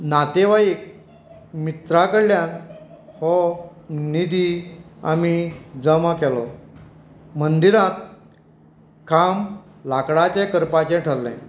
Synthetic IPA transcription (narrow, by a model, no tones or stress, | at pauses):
nat̪eʋaek̚ | mit̪ɾakəɽljanhɔ | nid̪ia̰mid͡zəmakɛlɔ | mənd̪iɾãt̪̚ | kam | lakɽat͡ɕɛ̃kəɾpat͡ɕɛ̃ʈʰəɾːɛ̰̃